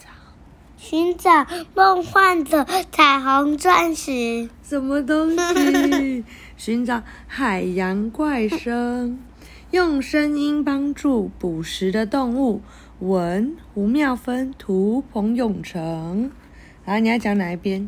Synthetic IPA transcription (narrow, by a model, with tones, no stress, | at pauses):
ɕy˧˥nt͡sa˨˩mo˥˧ŋxwa˥˩nd̪ə˩t͡sʰa˨˩ɪxɑ˧˥ŋt͡swa˥˩nʂɻ̩˨˧˥ʂə˨˩nmə˧t̪̬ʊ˥ŋɕi˨ | ɕy˧˥nʈ͡ʂɑ˨˩˦ʊ | xa˨˩ɪja˧˥nkwa˥˩ɪʂə˥ŋ | jʊ˥˩ŋʂə˥ni˥npɑ˥ŋʈ͡ʂu˥˩pu˨˩ʂɻ̩˧˥d̪ə˧t̪ʊ˥˧ŋu˥˩ | wə˧˦˥n | u˧˥mjɑ˥˩ʊfə˥nt̪ʰu˧˥pʰʊ˧˥ŋjʊ˨˩ŋʈ͡ʂʰɤ˧˦ŋ | n˧˥ni˨˩ja˥˩t͡ɕjɑ˧˥ŋna˧˥i˥˩pjɛ˥n